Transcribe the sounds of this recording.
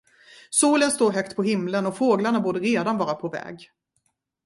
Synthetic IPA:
suːlənst̪oːɾɦœkt̪pʰɔɦɪmlənɔfoːɡlaɳabuːɖəɾeːd̪anvɑːɾapʰɔvɛ̰ːɡ

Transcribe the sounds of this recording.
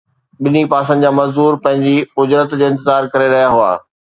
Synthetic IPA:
ɓɪnipaːs̬ə̃n̆d͡ʑaːmɐzd̪uːɾpɐ̃ɦɪ̃ɲd͡ʑiʊd͡ʑɾət̪d͡ʑeːɪ̃nt̪ɪzaːɾkɐɾeɾɐɦijaɦʊa̰ː

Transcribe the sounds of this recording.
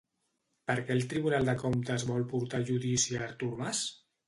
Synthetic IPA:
pəɾkɛlˠt̪ɾiβunalˠd̪əkomt̪əzβɔlˠpuɾt̪aʒuðisiːɾt̪uɾmas

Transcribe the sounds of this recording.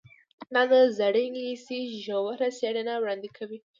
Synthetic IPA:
nanəzaɽiŋisiʒowaɾasjaɽenawɽand̪ikʰawi

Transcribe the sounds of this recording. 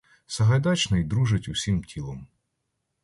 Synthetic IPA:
sɐɦɐjd̪ɑt͡ʃnɔjd̪ɾuʒɪtʲusʲimtʲʰilˠɔm

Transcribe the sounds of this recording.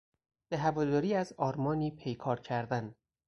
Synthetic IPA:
b̥eɦævɒːd̪ɒːɾiːæzɒːɾmɒːniːpʰejkʰɒːɾcʰæɾd̪æn

